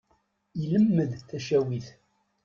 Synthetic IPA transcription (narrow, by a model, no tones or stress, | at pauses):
iləmːəðθæʃæwiθ